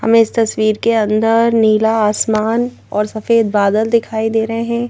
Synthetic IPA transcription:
hɐ̰mẽɪst̪ɐswiːɾkeɐ̃nd̪əɾniːlaaːsmaːn | ɔːɾsɐfeːd̪baːd̪əld̪ɪkʰaːid̪eːɾɐɦeɦɛ̃ː

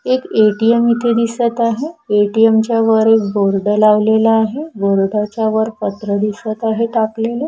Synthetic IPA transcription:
ekeʈiemit̪ʰed̪isət̪aɦeeʈiemt͡ɕjaʋəɾek̚boɾɖəlaʋlelaːɦeboɾɖat͡ɕjaʋəɾpət̪ɾəd̪isət̪aɦeʈaklelə

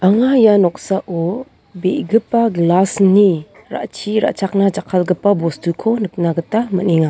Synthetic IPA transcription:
ʔaŋajanɔk̚saʔɔ | beʔɡɯpaɡlasni | ɾa̰ʔt͡ʃiɾa̰ʔt͡ʃʰak̚nad͡ʒakʰalɡɯpabɔstukʰonɯk̚naɡətamə̰niŋa

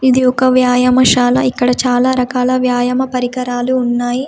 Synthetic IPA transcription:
id̪iɔkɐʋjaːjɐmɐʃaːlɐ̰ikːɐɽɐt͡ʃaːlaːɾɐkaːlɐʋjaːjɐmɐpɐɾikɐɾaːluːnːaːji

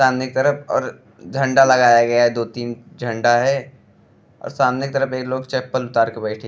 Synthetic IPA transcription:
saːmnɪk̚t̪əɾəpʰɔ̰ːɾ | d͡ʒʱɐ̃ɳɖalɐɡaːjaɡɐjaɦɛd̪oːt̪iːnd͡ʒʱə̃ɳɖaɦɛ | ɔ̰ːɾsaːmnɪk̚t̪əɾəpeːkloːɡt͡ʃɛːpːəlʊt̪aːɾkebɛːʈʰẽ

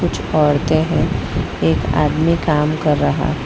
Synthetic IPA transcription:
ʊt͡ʃʰɔːɽt̪eɦɛ̃ | eːka̰ːd̪mikaːmkɐɾːɐɦa̰

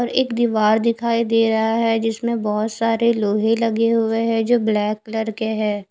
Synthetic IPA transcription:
ɔːɾeːkd̪iːʋaːɾd̪ɪkʰaːid̪eːɾɐɦaɦɛd͡ʒɪsmẽbɔɦʊt̪saːɾeloːɦelɐɡeɦʊeɦɛ̃d͡ʒoːblɛːkːləɾkeɦɛː

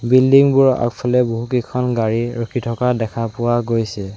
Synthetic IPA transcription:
bildiŋbuɹa̰kpʰɔlɛboɦukikʰɔnɡaɹiɹokʰitʰɔkadɛkʰapʊwaɡojsɛ

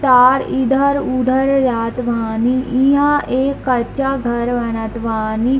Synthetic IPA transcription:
t̪aːɾid̪ʱəɾud̪ʱəɾɾaːt̪ʋaːniʔĩãːʔeːkːət͡ʃaːɡʱəɾʋənət̪ʋaːniː

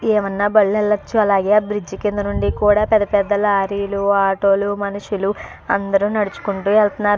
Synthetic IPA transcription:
eːʋɐnːaːbɐɭːunɛlːɐt͡ʃːuɐlaːɡe̞ːabɾid͡ʒikind̪ɐnuɳɖikuːɽaːpɛd̪ːɐpɛd̪ːɐluaːɾiːluaːʈo̞ːlumɐnuʃulu | ɐnd̪ɐɾunɐɽut͡ʃu̥kuɳʈuːɛlt̪ɐnːaːɾu

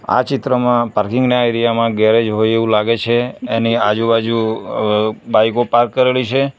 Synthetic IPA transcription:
a̰t͡ʃɪt̪ɾəmãpaɾkɪ̃ŋɡneajɾijamãɡɛɾed͡ʒɦoieʋũlaɡet͡ʃʰeːniad͡ʒubad͡ʒu | baijkopaɾkːəɾelit͡ʃʰe

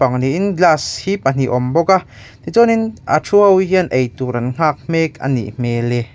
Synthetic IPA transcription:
aŋniʔinɡlaːshipɐn̥iʔɔmbɔka | t̪it͡sɔninʔa̰ʈ͡ʂʰuɔwɦiənʔejt̪uɾɐnŋ̥aːk̚m̥ɛːkɐ̰nḭʔm̥eːlɛ

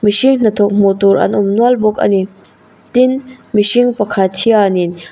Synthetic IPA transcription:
miʃiŋn̥ɐt̪ʰɔk̚m̥ut̪uɾʔɐ̰nʊmnualbɔk̚ɐ̰ni | tinmiʃiŋpɐkʰat̪ʰianin

